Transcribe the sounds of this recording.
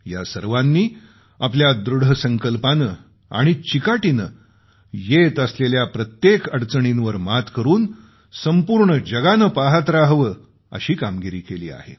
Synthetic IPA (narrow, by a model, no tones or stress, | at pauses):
ja̰səɾʋanːiː | apljad̪ɾuɽ̤əsəŋkəlpanə | a̰ɽ̃it͡ɕikaʈinə | jet̪əsleljapɾət̪jekəɽt͡səɳinʋəɾmat̪kəɾuːn | səmpuɾɳəd͡ʑəɡanəpaɦət̪ɾaɦʋəː | ə̰ɕiːkamɡiɾiːkelḭːa̰hḛ